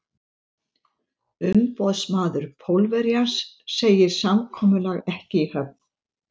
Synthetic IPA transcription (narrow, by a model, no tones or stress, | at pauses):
ʏmpɔðsmaːðʏɾ̥pʰowlvɛɾjansː | eːjɪɾ̥samkʰɔːmʏlaɣɛhcɪihœp̚n